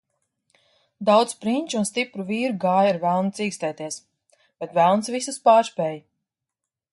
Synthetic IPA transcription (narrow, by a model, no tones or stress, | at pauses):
d̪awt̪spɾiɲʲt͡ʃunst̪ipɾuviːɾuɡaːjaɾvælˠnt̪siːkst̪ɛːt̪iɛs | b̥ɛt̪vælˠnsvisuspaːɾspʲɛːj